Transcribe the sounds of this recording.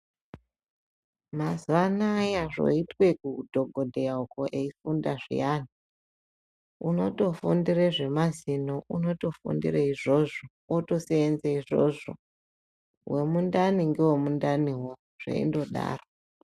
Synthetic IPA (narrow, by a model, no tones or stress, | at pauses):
mazuʋanaːjaʐo̞̰itwe̞kudʱo̞ɡʱo̞dʱejauko̞ʔeifundaʐḭjani | uno̞̰to̞fundireʐe̞mazinoʔuno̞to̞fṵndḭreiʐoʐo | oto̞seːnzeiʐo̰ʐo̰ | wʔe̞mundaniŋɡewemundaniwo | ʐ̥ḛḭndo̞ɗa̰ːro